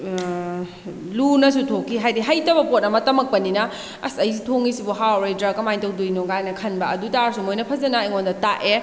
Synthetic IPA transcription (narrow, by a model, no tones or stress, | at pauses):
lunɐs̬utʰokʰːiɦajdiɦɐjtɐbɐpot̚ɐmɐtɐmɐk̚pɐninɐ | ɐsɐjsitʰoŋisibuɦawɾejdɾakɐmajntɐwdujnuŋajnɐkʰɐnbɐɐdutaɾsumojnɐpʰɐzɐnɐeŋondɐtaʔe